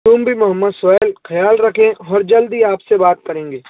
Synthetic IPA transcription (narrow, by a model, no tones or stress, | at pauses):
t̪ʊmbʱimʊɦəmːəd̪sʊelxɐjaːlɾɐkʰẽɦɔːɾd͡ʒɐld̪iaːpsebaːt̪̚kɐɾẽːŋɡeː